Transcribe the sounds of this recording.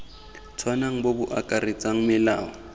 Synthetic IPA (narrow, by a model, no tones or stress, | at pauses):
t͡sʰwanaŋ̩bobʊʔakʼarɪt͡sʼaŋ̩mɪlaːɔ